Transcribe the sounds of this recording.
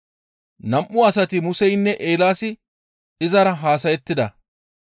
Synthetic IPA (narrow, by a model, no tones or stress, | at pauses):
nɐmʔʊɐsɐt̪ɪmʊsɛjnːɛʔeːlaːsɪ | ɪzɐɾɐɦaːs̬ɐjɛt̪ːɪd̪ɐ̰